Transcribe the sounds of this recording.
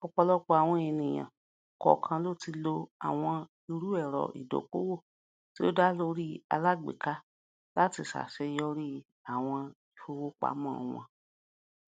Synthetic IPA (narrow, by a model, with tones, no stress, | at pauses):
ɔ˧k͡pɔ˧lɔ˦k͡pɔ˧a˨w̃ɔ̃˧i˧nĩ˨j̃ã̰˨ | kɔ̰˨kʰã˧lo˦˨ti˧lo˧a̰˨w̃ɔ̃˧ | i˧ɾu˦ɛ˦˨ɾɔ̰˨ḭ˨do̰˨˦ko̰˦wo˦˨ | ti˦o˦da˦lo˧ɾi˦a̰˧la˦˨ɡ͡bḛ˨ka˦ | la˦ti˧˨sa̰˨ʃɛ˧˦˧jɔ˦ɾi˦ | a˨w̃ɔ̃˧i˨fo˧wo˦k͡pa̰˨˦mɔ̃˦˨˧ɔ̰̃˧